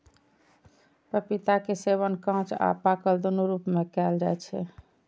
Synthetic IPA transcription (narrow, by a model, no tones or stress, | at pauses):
pɾəpit̪akeseβənkãt͡ʃa̰pakəld̪onuɾupmekɛld͡ʒaɛt͡ʃʰɛ̰